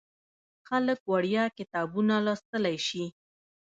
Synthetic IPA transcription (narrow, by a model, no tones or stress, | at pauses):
xaləkwaɽjɑkɪt̪ɑbunalɑst̪əlajʃi